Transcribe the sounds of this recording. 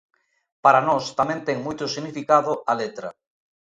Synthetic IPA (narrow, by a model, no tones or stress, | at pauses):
paɾanost̪amẽnt̪ɛŋmujt̪osiɣnifikaðoalet̪ɾa